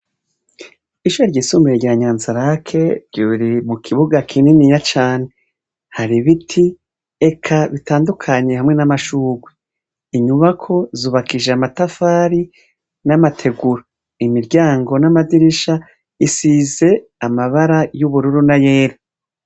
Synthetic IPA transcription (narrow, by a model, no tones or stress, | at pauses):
iʃuɾaɾɟiːsumiɾeɾɟaːɲaːnzaɾakʰe̞ɾɟuːβiɾimukʰiβuɡakʰininijat͡ʃaːne̞ | haɾiβitʰi | ekʰaβitaːndukʰaɲe̞hamŋe̞namaʃuːɡwe | iɲuβakʰo̞zuːβakiʒeamatafaːɾi | namatʰe̞ɡuɾo | imiɾɟaːŋɡo̞namadiɾiʃa | isize̞amaβaɾajuβuɾuɾunajeːɾa